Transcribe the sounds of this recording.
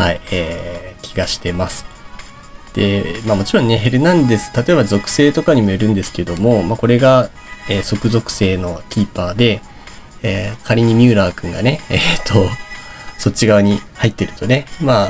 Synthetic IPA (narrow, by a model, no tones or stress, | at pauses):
haieːkʲiɡaɕi̥t̪e̞masɨ̥ | d̪̥e̞maːmo̞t͡ɕiɾõ̞nːe̞ɦe̞ɾɯ̟nãnd̪esɨ̥t̪at̪o̞e̞bazo̞kɯ̟̥se̞ːt̪o̞kaɲ̟imo̞eɾɯ̟̃nd̪e̞sɨ̥ke̞d̪o̞mo̞mako̞ɾe̞ɡa | eːso̞kɯ̟zo̞kɯ̟̥se̞ːno̞kʲiːpaːd̪e̞ | eːkʰaɾʲiɲ̟imʲɨːɾaːkɯ̟̃ŋɡa̰ne̞et̪ʰːo | so̞t͡ɕiɡaɯɲ̟ihait̪ːe̞ɾɯ̟̥t̪o̞ne̞maː